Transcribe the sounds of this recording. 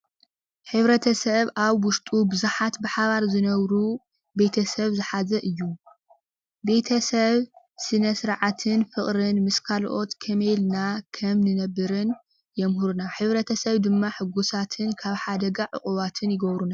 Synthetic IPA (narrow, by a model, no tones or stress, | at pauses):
ħɨβɾɐt̪ʰɐsɐβʔaβwʊʃt̪ʼubɨzuħat̪bɨħaβaɾzɨnɐβɾu | be̞t̪ʰɐsɐβzɨħazɐʔɨjːu | be̞t̪ʰɐsɐβ | sɨnɐsɨɾʕat̪ʰɨnfɨχʼɾɨnmɨskʰalʔo̞t̪kʰɐmelnakʰɐmnɨnɐbːɨɾɨn | jɛmhɨɾunaħɨβɾɐt̪ʰɐsɐβd̪ɨmːaħɨɡusat̪ʰɨnkʰaβħad̪ɐɡaʕɨ̰χʼuβat̪ʰɨnjɪɡɐβɾuna